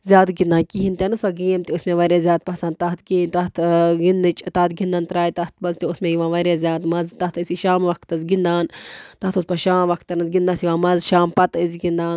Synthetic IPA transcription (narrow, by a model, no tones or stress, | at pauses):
zʲjaːt̪ɡind̪aːnkiɦint̪ʲenɨsɐɡiːmt̪iusmẽʋɐɾʲazʲjaːt̪̚pɐsɐnd̪t̪ɐt̪ɡiːt̪ɐt̪ɡinːɨt͡ʃʼt̪ɐːt̪ɡind̪aːnt̪ɾaːjt̪ɐt̪ʰmɐnzt̪iusmẽjiʋãːʋɐɾazʲjaːt̪mɐzt̪ɐt̪ɨsiʃaːmʋɐkʰt̪ɐzɡind̪aːnt̪ɐt̪uspɐʃaːmʋɐkʰt̪ɐnɐzɡind̪ãsiʋãːmɐzʃaːmpɐt̪ɨzʲɡind̪aːn